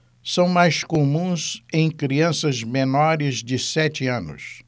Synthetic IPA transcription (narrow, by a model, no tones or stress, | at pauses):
sɐ̃w̃majskomũzẽj̃kɾiɐ̃sɐzmenɔɾɪzd͡ʒɪsɛt͡ʃɪɐ̃nʊ̰s